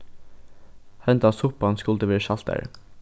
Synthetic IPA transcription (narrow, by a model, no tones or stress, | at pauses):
hɛnd̪ɑsʊpɑnskʉlt̪əʋeːʃɑlt̪æ̰ɹ